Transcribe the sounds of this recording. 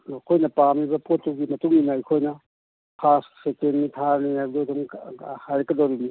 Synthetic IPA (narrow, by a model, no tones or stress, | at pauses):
akʰojnɐpamibɐpotːuɡimɐtuŋinɐikʰojnɐ | pʰassekennitʰaɾniabdodɔŋhajɾɐkɐdoɾiɡi